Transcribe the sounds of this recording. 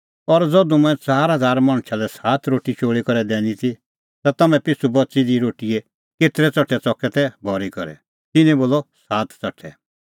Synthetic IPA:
ɔɾd͡zɔd̪umɛ̃t͡saːɾɦɐd͡zaːɾmɐ̃ɽ̃t͡ʃʰalɛsaːt̪ʰɾoːʈit͡ʃʰoːɭikɔɾɛd̪ɛːñit̪ʰi | t̪at̪ɐmɛ̃pɪsubɐtːsid̪iɾoːʈiɛ | keːt̪ɾɛt͡sɔʈʰːɛt͡sɔkɛt̪ʰɛbʱɔɾikɔɾɛ̰ | t̪ɪnɛ̃boːlɔsaːt̪ʰt͡sɐʈʰːɛ̰

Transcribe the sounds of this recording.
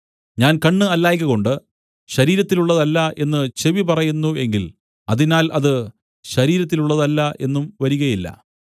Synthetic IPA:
ɲaːnkɐɳːɨɐlːaːjk̬ʲːɐɣo̞ɳɖɨ | ɕɐɾiːɾɐt̪ːiluɭːɐðɐlːɐʔe̞nːɨt͡ɕe̞ʋipɐrɐjunːue̞ŋɡil | ɐðinaːlʔɐðɨ | ɕɐɾiːɾɐt̪̬ːiluɭːɐðɐlːɐʔe̞nːumʋɐɾuɣɐjilːɐ̰

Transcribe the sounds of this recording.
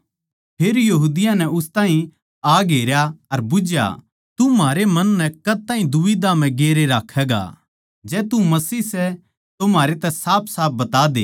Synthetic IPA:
pʰeːɾjɐɦuːd̪ɪjãnɛʊst̪aːɦĩ | aːɡeːɾjaɐɾbʊd͡ʒja̰ | t̪umaːɾemɐnːɛkɐt̪ãːɦĩd̪ʊʋid̪am̤ɛ̃ɡeːɾeɾaːkʰːɛːɡa̰ | d͡ʒɛːt̪umɐsiːsɛ | t̪omaːɾet̪ɛsaːp̚ʰsaːp̚ʰbɐt̪aːd̪ḛː

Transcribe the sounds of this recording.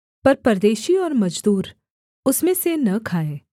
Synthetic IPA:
pɐɾpɐɾd̪eːʃiɔːɾmɐd͡ʒd̪uːɾ | ʊsmẽsenɐkʰaːẽː

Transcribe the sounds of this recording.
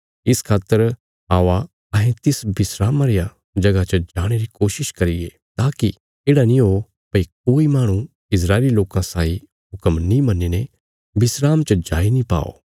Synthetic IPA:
ɪskʰaːt̪ːəɾ | ɦaːʋa | ɦẽt̪ɪsbɪsɾaːmãɾija | d͡ʒɐɡat͡ʃəd͡ʒaːɽ̃eɾikoːʃɪʃkɐɾɪɡḛ | t̪aːki | eːɽanĩɦo | pɐik̚oːimaːɽ̃ũ | ɪs̬ɾaːɪliloːkãsaːi | ɦʊkəmnĩmɐnːine | bɪsɾaːmt͡ʃəd͡ʒaːinĩpa̰ːo̰ː

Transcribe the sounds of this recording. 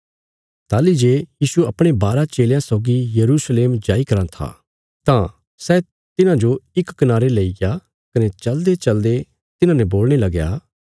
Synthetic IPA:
t̪aːlid͡ʒeːjiːsuɐpɽ̃ebaːɾat͡ʃeːljãsɔːɡijɐɾusleːmd͡ʒaːikɐɾãt̪ʰa̰ː | t̪ã | sɛ | t̪ɪnãd͡ʒoɪkːɐnaːɾeleːija | kɐnɛt͡ʃɐld̪et͡ʃɐld̪e | t̪ɪnãnɛ̃boːlɽ̃elɐɡja̰ː

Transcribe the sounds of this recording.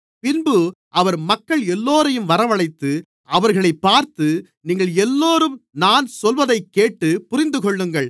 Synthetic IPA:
pɪnbɯ | ʔɐʋɐɾmɐkːɐɭɛlːoːɾɐjɯmʋɐɾɐʋɐɭɐɪt̪ːɯ | ʔɐʋɐɾɣɐɭɐɪpːaːɾt̪ɯ | niːŋɡɐɭɛlːoːɾɯmnaːnsɔlʋɐðɐɪkːeːʈːɯpʊɾɪnd̪ɯkɔɭːɯŋɡɐɭ

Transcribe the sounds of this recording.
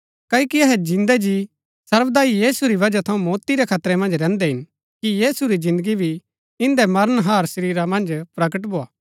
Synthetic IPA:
kɐkiɐɦɛd͡ʒɪ̃nd̪ɛd͡ʒi | sɐɾʋd̪aːijiːsuɾiβɐd͡ʒat̪ʰɐũmoːt̪iɾɛkʰaːt̪ɾɛmɐ̃nd͡ʒɾɛ̃ːnd̪ɛɦɪ̃n | kijiːsuɾid͡ʒɪ̃nd̪əɡibʱi | ɪ̃nd̪ɛmɐɾənɦaːɾsɐɾiːɾamɐ̃nd͡ʒpɾɐɡəʈ̬bʱoːaː

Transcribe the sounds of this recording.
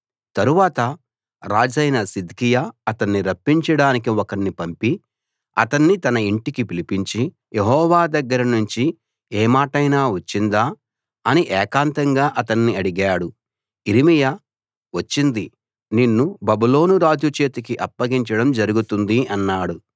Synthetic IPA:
t̪ɐɾuʋaːt̪ɐ | ɾaːd͡ʒɐjnɐsid̪kijaɐt̪ɐnːiɾɐpːiɲt͡ʃɐɽaːnik̬iɔkɐnːipɐmpi | ɐt̪ɐnːit̪ɐnɐiɳʈikipilipiɲt͡ʃi | jeɦɔːʋaːd̪ɐɡːɐɾɐnuɲt͡ʃi | ɛːmaːʈɐjnaːʋɐt͡ʃːind̪aː | ɐniʔɛːkaːnt̪ɐŋɡaːʔɐt̪ɐɳːiɐɽiɡaːɽu | iɾimija | ʋɐt͡ʃːind̪i | ninːubɐbilo̞ːnuɾaːd͡ʒ̪jut͡ʃeːt̪ikiʔɐpːɐɡiɲt͡ʃɐɽɐmd͡ʒɐɾuɡut̪und̪iɐnːaːɽu

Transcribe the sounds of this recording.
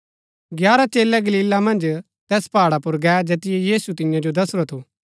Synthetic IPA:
ɡjaːɾat͡ʃeːlɛɡɐliːlːamɐ̃nd͡ʒ | t̪ɛːspaːɽapʊɾɡɛd͡ʒeːt̪ɪjɛjiːsut̪ɪ̃jãd͡ʒod̪ɐsɾot̪ʰuː

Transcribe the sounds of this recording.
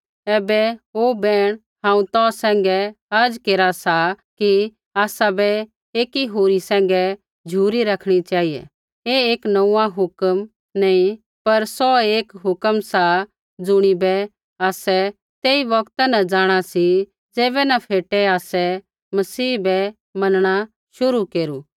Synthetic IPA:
ɛːbɛoːbɛːɽ̃ | ɦãːũt̪ɔːsɛ̃ːŋɡɛɐɾd͡ʒkeːɾasaki | aːsabɛ | eːkiɦoːɾisɛ̃ːŋ̆ɡɛ | d͡ʒʱuːɾiɾɐkʰɽ̃it͡ʃaːɦijɛ̰ | eeːknɐũːãɦʊkəm | nɐĩ | pɐɾsɔeːkɦʊkəmsa | d͡zʊɽ̃ibɛ | aːsɛ | t̪eːiʋɐkt̪anad͡ʒaːɽ̃asi | d͡zeːbɛnɐpʰeːʈɛaːsɛ | mɐsiːbɛ | mɐnɽ̃a | ʃʊɾukeːɾuː

